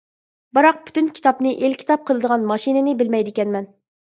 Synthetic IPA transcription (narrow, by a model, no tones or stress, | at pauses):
bɨɾɑq̚pʰy̥t̪ynkʲʰi̥t̪ɑpnɨʔelkʲʰi̥t̪ʰɑp̚qʰəlˠɨd̪əʁɑnmɑʃinɪnɪbɪlmɛjd̪ɪkʲɛnmɛn